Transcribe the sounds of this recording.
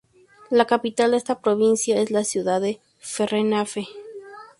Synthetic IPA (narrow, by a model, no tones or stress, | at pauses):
lakapit̪ald̪eest̪apɾoβinsjaeslasjuðaðe | ferenafe